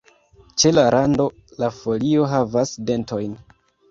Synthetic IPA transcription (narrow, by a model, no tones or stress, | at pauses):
t͡ʃe̞laɾʔando̞ | lafo̞lio̞ɦavasde̞nto̞jn